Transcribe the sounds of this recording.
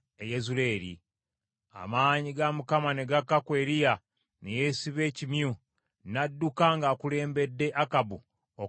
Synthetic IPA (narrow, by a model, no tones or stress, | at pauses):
ejezule̞ːɾḭ | a̰maːɲiɡamukamane̞ɡakːakwe̞ːɾija | neje̞siβe̞ːcimju | nadːukaŋɡaːkule̞ːmbe̞dːe̞ʔakabu | o